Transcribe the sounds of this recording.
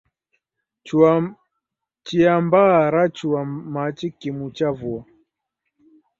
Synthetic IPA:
t͡ʃ | t͡ʃiambaɾat͡ʃuamat͡ʃikimut͡ʃavua

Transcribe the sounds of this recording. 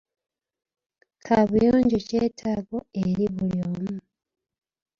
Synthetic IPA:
kʰaβujoːɲɟocetʰaɡo̞eɾiβuljoːmu

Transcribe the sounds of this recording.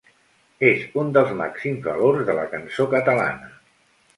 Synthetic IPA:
ezund̪əlˠzma̰ksimzβə̰loɾzðələkənsokət̪əla̰nə

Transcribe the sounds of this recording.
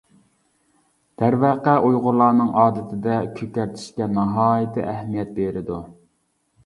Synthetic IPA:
d̪̥æɾvæqæʔujʁʊlˠɑːnɨŋɑːd̪ɪt̪ʰɪd̪ɛkʲʰøkʲæɾt̪ʰɪ̥ʃkʲɛnɑɦɑːjɪt̪ʰɪ̰ʔɛhmijɛt̪̚beɾɪd̪u

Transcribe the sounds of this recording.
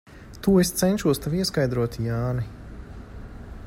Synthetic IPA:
t̪uːest̪sɛnʲʃuɔst̪aviɛskajd̪ɾuɔt̪jaːni

